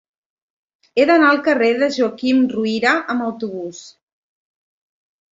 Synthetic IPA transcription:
eðənaəlˠkəreðəʒuakimruiɾəʔəməwt̪uβ̞us

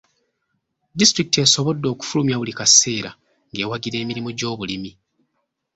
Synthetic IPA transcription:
distɾikite̞so̞βo̞dːo̞ːku̥fulumjaβulikase̞ːɾa̰ | ŋɡe̞ːwaɡiɾe̞ːmiɾimuɟo̞ːβulimi

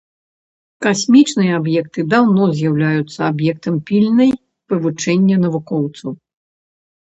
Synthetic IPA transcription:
kasʲmʲit͡ʂnɨjɐabjɛk̚t̪ɨd̪awnɔzʲjawlʲajut̪sːɐabjɛk̚t̪ɐmpʲilʲnɐj | pɨvut͡ʂɛnʲːɐnɐvukɔwt̪sɐw

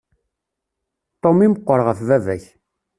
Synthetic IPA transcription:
t̪ˤomiməqʷːəɾʁəfðævæç

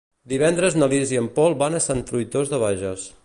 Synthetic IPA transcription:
d̪iβɛnd̪ɾəznəliziəmpɔlˠbanəsant̪ɾujt̪ozðəβaʒəs

